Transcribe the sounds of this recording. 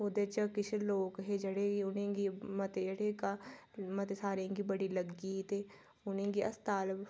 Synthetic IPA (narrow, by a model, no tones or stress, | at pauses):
oːd̪et͡ʃɐkɪt͡ʃʰloːkɦed͡ʒɐɽeɡiʊnẽɡimɐt̪eɐɽekamɐt̪esaːɾẽːŋɡibɐɽilɐɡit̪e | ʊnẽːŋɡiɐst̪aːlb